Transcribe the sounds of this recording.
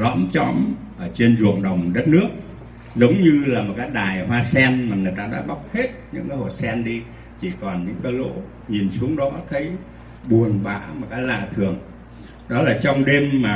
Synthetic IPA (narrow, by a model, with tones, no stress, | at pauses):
lɔ̰˧˥mt͡ɕɔ̰˧˥mʔəː˧˩t͡ɕe˧nzṵ˨˧˩əŋɗə˨˩wŋ͡mɗə˦˥t̚nɨ˦˥ək̚ | zə˨˦wŋ͡mɲɨ˧laː˨˩mo˨˩kaː˨˦jɗaː˨˩jhwaː˧sɛ˧nmaː˨˩ŋɨ˨˩əjt̪aː˧ɗa̰ː˧˥ɓa˦˥wk͡p̚he˦˥t̚ɲɨ̰˧˥ŋkaː˨˦jho̰˧˨˩t̚sɛ˧nɗi˧ | t͡ɕi˧˩kɔ˨˩nɲɨ̰˧˥ŋkaː˧˦jlo̰˧˥ | ɲi˨˩nsu˨˦əŋɗɔ˨˦t̪ʰə˨˦j | ɓu˨˩ənɓa̰ː˧˩˥m˨˩t̚kaː˨˦jla̰ː˧˨t̪ʰɨ˨˩əŋ | ɗɔ˨˦laː˨˩t͡ɕɔ˧wŋ͡mɗe˧mːaː˨˩